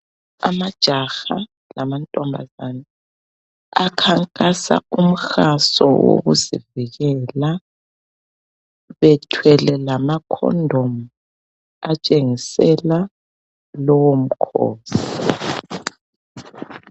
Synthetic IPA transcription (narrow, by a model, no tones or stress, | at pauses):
a̰mad̥ʒ̥ʱaxa | lamantʼɔmbʱa̰zana | akʰaŋkʼasa̰um̩xasɔ̰wo̰ɣuzḭviɣɛla | βɛtʰwɛlɛlamakʰɔ̰ndʱomu | at͡ʃʼeŋisɛla | lɔwom̩kʰo̰ːsi̥